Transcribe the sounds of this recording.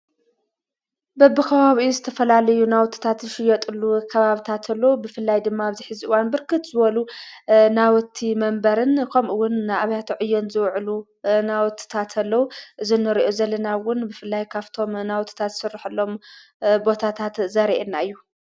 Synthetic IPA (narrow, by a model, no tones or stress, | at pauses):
bɐbɨkʰɐβaβizɨt̪ʰɐfɐlalɐjunawt̪ʰːi̥t̪ʰat̪ʃɪjɐt̪ʼɨlːukʰɐβaβit̪ʰat̪ʰɐlːowubɨfɨlːajd̪ɨmːaːβziħɨziʔɨwanbɨɾkɨt̪zɨβɐlunawɔt̪ʰːimɐmbɐɾɨnkʰɐmʔɨwːʊnːaʔaβjat̪ʰʕɨjːɛnzɨwʕlu | nawt̪ʰːi̥t̪ʰat̪ʰɐlːɐwuʔɨzinːɨɾiʔo̞zɐlːɐnawʊnbɨfɨlːajkʰaβt̪ʰo̞mnawt̪ʰːi̥t̪ʰat̪sɨrːiħɨlːo̞m | bo̞t̪ʰat̪ʰat̪zɐɾiʔenːaɨjːu